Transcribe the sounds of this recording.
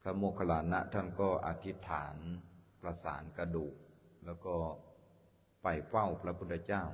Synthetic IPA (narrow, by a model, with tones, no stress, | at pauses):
kʰa˧moː˧˩kʰa˧laː˨˦nːa̰˧˥t̪ʰa˧˥˩nkɔː˧˩ʔa̰˨˩t̪ʰi˦˥t̪ʰaː˩˦npɾa˧sa̰ː˩˦nka˧duː˨˩k̚ | lɛː˧˩wkɔː˧˩ | pa˨˩jfa˥˩wpʰɾa˧pʰu˥˩t̪ʰːa˧t͡ɕaː˥˩˨w